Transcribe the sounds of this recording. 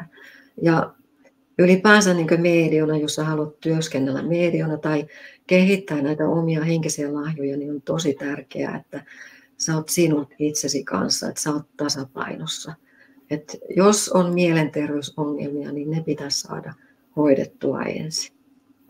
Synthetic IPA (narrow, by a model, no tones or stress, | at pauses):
jɑ | ylipæːst̪æniːŋkømeːdionɑjosːɑɑlot̪t̪yøskenːelːæ̰meːdionɑt̪ɑikehit̪ːæːnæit̪æʔomiɑheŋkisiælɑhjojɑniont̪osit̪ærkḛæ̰ḛt̪ːæ | sæot̪sinulit̪sesikɑ̰nsːɑ̰ḛt̪sæot̪t̪ɑsɑpɑ̰inosːɑ | et̪josonmielent̪erʋeysoŋːḛlmiɑ̰ninnepit̪æssɑ̰ːdɑ | hoidḛt̪ːuɑ̰ḛnsi̥